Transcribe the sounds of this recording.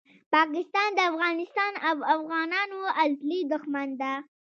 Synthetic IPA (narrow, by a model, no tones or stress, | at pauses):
pɑkɪst̪ɑnd̪əafɣɑnɪst̪ɑnawafɣɑnɑnoalt̪lid̪ʊxmand̪a